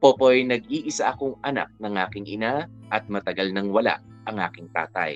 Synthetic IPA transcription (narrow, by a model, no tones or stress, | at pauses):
poːpojnɐɡ̚iːʔɪsaʔɐkoŋɐna̰k̚nɐŋʔaːkɪŋʔɪ̰naʔɐt̪̚mɐt̪ɐɡalnɐŋwɐla̰ʔ | ʔɐŋʔa̰ːkɪŋt̪a̰ːt̪ɐ̰j